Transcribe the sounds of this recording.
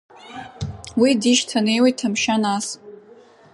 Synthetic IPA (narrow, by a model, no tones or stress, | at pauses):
widiʃtʰane̞jwejtʰːamʃanas